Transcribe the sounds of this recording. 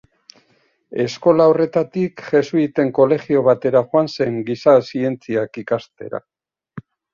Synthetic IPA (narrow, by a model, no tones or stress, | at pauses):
e̞sko̞lao̞re̞t̪at̪ikʝe̞suit̪e̞ŋko̞le̞ɣio̞β̞at̪e̞ɾaʝoanse̞ŋɡisasie̞nt͡siakikast̪e̞̰ɾa̰